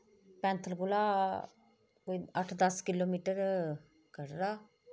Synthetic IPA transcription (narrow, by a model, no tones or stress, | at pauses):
pɛ̃ːnt̪ʰəlɡʊlaː | koiəʈʰd̪əskɪloːmiːʈəɾ | kəɾɾaː